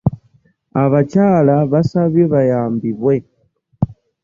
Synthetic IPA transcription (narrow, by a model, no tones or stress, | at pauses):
aβacalaβasaβjeβajaːmbiβwe